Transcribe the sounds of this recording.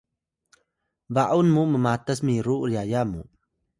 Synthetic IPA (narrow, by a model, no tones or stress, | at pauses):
vaʔunmuməmatəs̬miɾuɾiajamṵ